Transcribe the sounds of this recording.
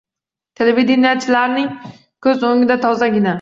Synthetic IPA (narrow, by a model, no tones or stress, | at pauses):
t̪ʰelevid̪enijat͡ʃʰːɪlaɾnɪŋ | kʰɵzoŋɪd̪at̪ʰɒzaɡʲɪna